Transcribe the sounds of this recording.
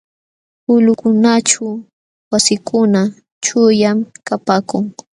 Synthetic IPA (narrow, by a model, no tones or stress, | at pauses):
ʊlʊkʊnat͡ʃa | wasɪkʰʊna | t͡ʃʊjamkapaːkʊŋ